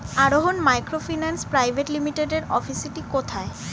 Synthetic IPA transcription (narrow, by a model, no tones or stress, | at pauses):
aɾoɦonmajkɾofinanspɾajbʱeʈlimiʈeɖeɾɔfisiʈikot̪ʰae